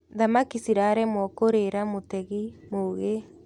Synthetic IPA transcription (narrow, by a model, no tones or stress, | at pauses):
ðamakisiɾaɾɛmwɔkoɾeɾamotɛɣimoɣe